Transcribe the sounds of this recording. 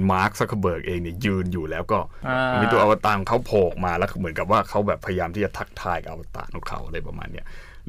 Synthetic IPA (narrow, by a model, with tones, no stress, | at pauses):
maː˦˥k̚sa˧˦˥kʰːa˧bɤː˨˩k̚ʔeː˧ŋni˥˩ɐjɯː˧njuː˨˩lɛː˦˥wkɔː˥˩˧nmiː˧t̪u˧ʔa˧wa˧t̪a˧kɔ˨˦ŋkʰa˦˥wpʰoː˨˩k̚maː˧lɛː˦˥mɯ˩˦ənka˨˩p̚waː˥˩kʰa˦˥wbɛː˨˩pʰːa˧ja˧jaː˧mt̪ʰiː˥˩t͡ɕa˨˩t̪ʰa˦˥k̚t̪ʰaː˧jka˨ʔa̰˧wa˧t̪a̰ː˧˩nu˦˩kʰa̰˨˩˦wʔa˧ɾɤː˧jpa˧ma̰ː˧nːi˦˥˩ɐ